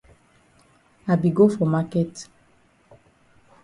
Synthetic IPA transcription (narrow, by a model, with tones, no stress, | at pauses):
a˨bi˨ɡo˦fɔ˨ma˦kɛ˦t